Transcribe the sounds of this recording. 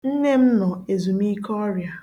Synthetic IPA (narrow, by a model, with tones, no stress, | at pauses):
n̩˦ne˦m̩˦nɔ˨e˨zu˨m˦i˦kɔ˦ɾja˨